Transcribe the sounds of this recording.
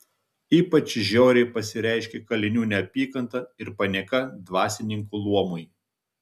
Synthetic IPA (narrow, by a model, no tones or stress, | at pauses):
iːpɐt͡ʃʲʒʲɛʊɾʲɛɪpɐsʲɪɾʲɛˑɪʃʲkʲɛkɐlʲɪnʲuːnʲɛɐpʲiːkɐnt̪ɐɪɾpɐnʲɛkɐd̪ʋɑːsʲɪnʲɪŋkuːlˠuɔmʊj